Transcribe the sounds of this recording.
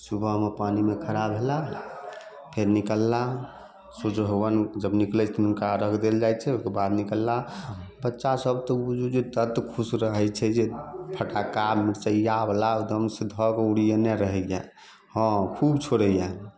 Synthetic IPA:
subʱəɦmepanimekʰəɾabʱela | pʰeɾnikəlːa | sot͡ʃɦowənd͡ʒəbniklɛt͡ʃʰt̪ɔunkaɾəkʰd̪eld͡ʒajt͡ʃʰɛokebad̪nikəlːabətːʃasəbt̪ɔbud͡ʒud͡ʒet̪ət̪kʰusɾəɦət͡ʃʰɛd͡ʒepʰəʈakamiɾt͡ʃəjablad̪əmsed̪ʱɔɡuɽijənɛɾəɦɛja | hɔ̃kʰubt͡ʃʰoɾəjan

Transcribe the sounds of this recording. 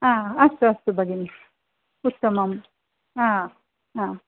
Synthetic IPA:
ãːɐst̪uɐst̪ubɐɡini | ut̪ːɐmɐm | ãː | ãː

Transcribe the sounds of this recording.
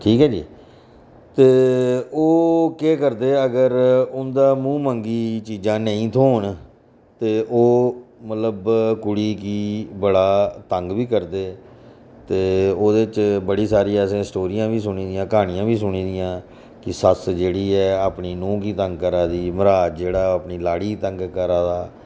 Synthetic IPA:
ʈʰiːkɦɛːd͡ʒḭː | t̪eːoːkeːkəɾd̪eːəɡəɾʊnd̪aːmũːməŋɡiːt͡ʃiːd͡ʒãːnə̃ĩːt̪ʰoːɳ | t̪eːʔoːmət̪ləbkʊɽiːkiːbəɽaːt̪əŋɡbiːkəɾd̪eː | t̪eːoːd̪eːt͡ʃbəɽiːsaːɾiːaːsẽːsʈoːɾijãːbiːsʊɳiːd̪ɪjãːkaːɽ̃ɪjãːbiːsʊɳiːd̪ɪjãː | kɪsəsd͡ʒeːɽiːɛːaːpɳiːnũːkiːt̪əŋɡ̚kəɾaːd̪iːməɾaːd͡ʒd͡ʒeːɽaːəːpniːlaːɽiːt̪əŋɡkəɾaːd̪aː

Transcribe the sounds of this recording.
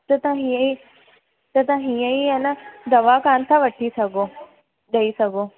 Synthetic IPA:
t̪ɐt̪ãɦiə̃i | t̪ɐt̪̬ãɦĩə̃iɐnad̪ɐʋakaːnt̪ʰaʋəʈʰisɐɡo | ɗɐisɐɡo

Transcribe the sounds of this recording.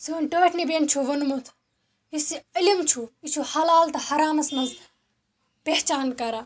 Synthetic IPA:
siɐnʈoːʈʰnibeːnt͡ʃʰuʋɐnmut̪ʰ | isiɐlimt͡ʃʰuit͡ʃʰuhɐlaːlt̪ʰɐhɐɾaːmɐsmɐz | peht͡ʃaːnkɐɾa

